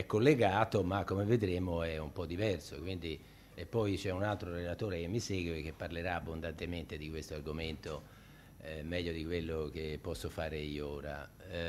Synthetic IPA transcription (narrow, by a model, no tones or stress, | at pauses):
ɛkːolːeɡaːt̪omakːomeved̪ɾeːmoɛumpɔd̪ːivɛrsokwind̪i | epːɔjt͡ʃɛunalt̪ɾoɾelat̪oːɾek̟emːiseːɡweek̟ːepːarleɾaːbːond̪ant̪ement̪ed̪ikwest̪oarɡoment̪o | ɛmɛʎːod̪ikwelːok̟epːɔsːofaːɾeioːɾa̰